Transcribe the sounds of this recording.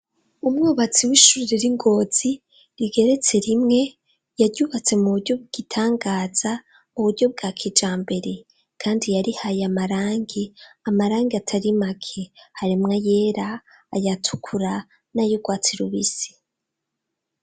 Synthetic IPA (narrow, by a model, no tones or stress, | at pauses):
umŋuːβat͡siwiʃuɾiɾeɾiŋɡo̞ːz̥i | ɾiɡe̞ɾe̞t͡se̞ɾimŋe̞ | jaɾɟuːβat͡se̞muβuɾɟo̞b̚ɡ̥itʰaːŋɡaːz̥a | muβuɾɟo̞b̚ɡaːkʰid͡ʒaːmbe̞ɾe̞ | kʰaːndijaɾihajamaɾaːŋɡiamaɾaːŋɡeatʰaɾimakʰehaɾimŋaje̞ɾaː | jatʰu̥kʰuɾa | najuɡwaːt͡siɾuβisi̥